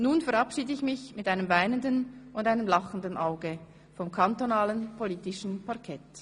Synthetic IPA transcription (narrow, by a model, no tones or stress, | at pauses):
nuːnfɛɐʁapʃiːdəɪçmɪçmɪtʔaɪnəmvaɪnəndənʊndaɪnəmlaχən̩dənʔaʊɡə | fɔmkʰantonaːlənpʰoliːtɪʃn̩pʰaɐkʰɛt